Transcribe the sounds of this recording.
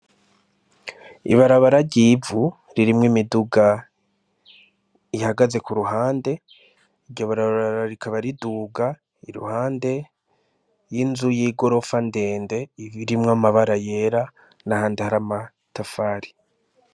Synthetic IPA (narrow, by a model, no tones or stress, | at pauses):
ḭβaɾaβaɾaɟivu | ɾiɾimŋimiduɡa | ihaɡaze̞kuɾuɦaːnde̞ | iɾɟo̞βaɾaβaaɾaɾikʰaβaɾiduːɡa | iɾṵhaːnde̞ | jinzujiɡo̞ɾo̞fande̞ːnde̞iiɾimŋamaβaɾaje̞ɾa | nahaːndehaɾama | tafaɾi